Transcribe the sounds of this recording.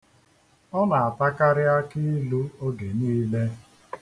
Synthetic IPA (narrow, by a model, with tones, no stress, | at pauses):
ɔ˦na˨a˨pa˦ka˦ɾɪ˦a˦ki˦lu˦o˦ɡe˨niː˦le˦